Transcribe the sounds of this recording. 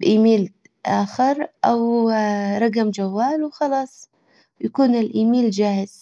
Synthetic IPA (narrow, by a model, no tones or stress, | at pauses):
bʔiːmiːl | ʔaːxɪɾˤʔaw | ɾˤɑɡamd͡ʒawːaːlwxɑlɑːsˤ | jakuːnɪlʔiːmiːld͡ʒaːhɪz̥